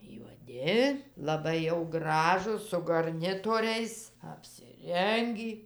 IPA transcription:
juɔˈdʲɪ lˠɐˈbɐɪ jɛʊ ɡrɐˈʒuːs sʊ ɡɐrʲˈnʲɪtoːrʲɛɪs ɐpʲsʲɪˈrʲɛŋʲɡʲiː

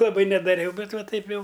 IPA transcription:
lˠɐˈbɐɪ nʲɛdɐˈrʲɛʊ ˈbʲɛt ˈʋɐ ˈtɐɪp ˈjɛʊ

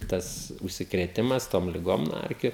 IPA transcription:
ˈtɐs ʊʃʲsʲɪkrʲeːˈtʲɪmɐs toːm lʲɪˈɡoːm nuɔ ˈɛrʲkʲʊ

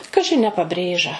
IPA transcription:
ˈkɑːʒʲɪ ɐ nʲɛ pɐˈbʲrʲeːʒɐ

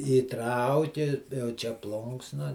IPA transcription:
iːˈtrɐʊkʲɪ jɛʊ ˈt͡ʃʲɛ ˈplˠʊŋksnɐ

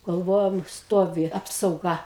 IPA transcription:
ɡɐlˠˈʋoːjoːm ˈstoːʋʲɪ ˌɑːpsɐʊˈɡɐ

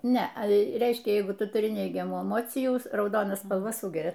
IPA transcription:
ˈnʲɛ ˈrʲɛɪʃʲkʲɛ ˈjɛɪɡʊ ˈtʊ tʊˈrʲɪ ˈnʲɛɪɡʲɛmuː ɛˈmoːt͡sʲɪjuː rɐʊˈdoːnɐ spɐlˠˈʋɐ ˈsuːɡʲɛrʲɛ

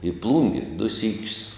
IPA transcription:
iː ˈplˠuːŋʲɡʲɪ dʊ ˈsʲiːkʲʊs

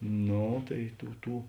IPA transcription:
ˈnoː tɐɪ ˈtuː ˈtuː

